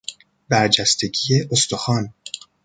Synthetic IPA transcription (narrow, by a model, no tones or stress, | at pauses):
bæɾd͡ʒæst̪ʰe̞ɡijeʔost̪o̞xɒːn